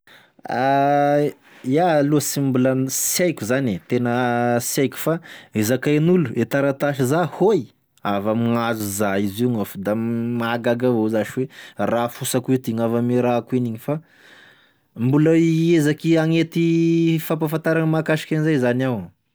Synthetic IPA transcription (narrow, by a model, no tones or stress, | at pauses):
a | jaluəsimbulansjajkʲuzanet̪enəsajku̥faezakanuluet̪aɾat̪aʃizahoj | avamiŋazuzaiziŋafd̪amaɡaɡavozaʃiwerafusakit̪iŋavamiɾakuiniɲifa | mbuləiezakiaŋet̪ifap̬afant̪aɾaŋəmakaʃi̥kʲanzajzanaw